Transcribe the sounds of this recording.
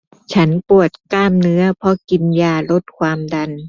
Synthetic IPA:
t͡ɕʰa˦˥npu˨˩ət̪̚kaː˥˩mnɯ˦˥ɐpʰɔ˧˥ki˧njaː˧lo˦˥t̪̚kʰwaː˧mda˧n

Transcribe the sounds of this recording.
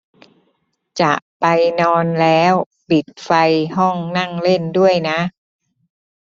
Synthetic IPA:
t͡ɕa˨˩ʔpa˧jnɔː˧nlɛː˦˥w | pi˨˩t̪̚fa˧jɦɔ˥˩ŋna˥˩ŋle˥˩ndu˥˩əjna˦˥ʔ

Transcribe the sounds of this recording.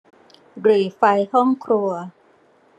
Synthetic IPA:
ɾɯː˨˩fa˧jhɔ˥˩ŋkʰɾu˧ɐ

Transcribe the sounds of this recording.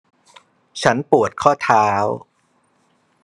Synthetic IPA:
t͡ɕʰa˦˥npu˨˩ət̪̚kʰɔː˥˩t̪ʰaː˦˥w

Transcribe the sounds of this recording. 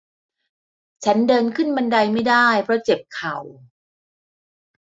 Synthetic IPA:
t͡ɕʰa˦˥ndɤː˧nkʰɯ˥˩nba˧nda˧jma˥˩jdaː˥˩jpʰɾɔ˦˥t͡ɕe˨˩p̚kʰa˨˩w

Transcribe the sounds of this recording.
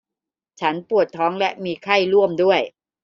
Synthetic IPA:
t͡ɕʰa˦˥npu˨˩ət̪ʰːɔː˦˥ŋlɛ˦˥ʔmiː˧kʰa˥˩jɾu˥˩əmdu˥˩əj

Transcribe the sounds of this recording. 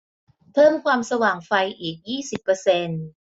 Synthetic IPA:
pʰɤː˥˩mkʰwaː˧msa˧waː˨˩ŋfa˧jʔiː˨˩k̚jiː˥˩si˨˩pːɤː˧se˧n

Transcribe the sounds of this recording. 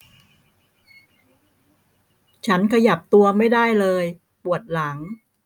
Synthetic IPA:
t͡ɕʰa˦˥nkʰa˧ja˨˩p̚t̪u˧ɐma˥˩jdaː˥˩jlɤː˧j | pu˨˩ət̪̚la˩˦ŋ

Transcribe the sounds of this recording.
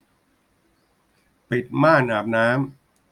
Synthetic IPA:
pi˨˩t̪̚maː˥˩naː˨˩p̚naː˦˥m

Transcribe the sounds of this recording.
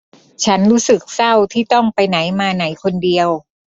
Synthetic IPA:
t͡ɕʰa˦˥nɾuː˦˥sɯ˨˩k̚sa˥˩wt̪ʰiː˥˩t̪ɔ˥˩ŋpa˧jna˩˦jmaː˧na˩˦jkʰo˧ndi˧əw

